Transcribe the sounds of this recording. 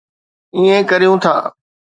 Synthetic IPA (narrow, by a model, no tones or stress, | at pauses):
iːẽkəɾijũt̪ʰa̰ː